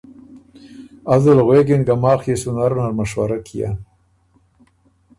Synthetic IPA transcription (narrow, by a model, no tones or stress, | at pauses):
azalɣwekɪnɡamɑːxjesʊnaɾnaɾmaʃwaɾakʰija̰